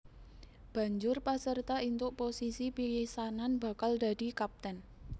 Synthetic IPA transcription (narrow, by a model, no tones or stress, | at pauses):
b̥a̤ɲd͡ʒʊrpasərt̪aint̪ʊʔposisipilisananb̥a̤kald̪̥ä̤d̥i̤kap̚t̪ɛn